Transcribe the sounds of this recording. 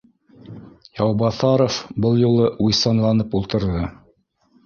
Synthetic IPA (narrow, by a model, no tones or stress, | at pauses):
jɑwbɑθɑɾofbɤlˠjulˠɤujsɑnlˠɑnɤpulˠt̪ɤ̆ɾðɤ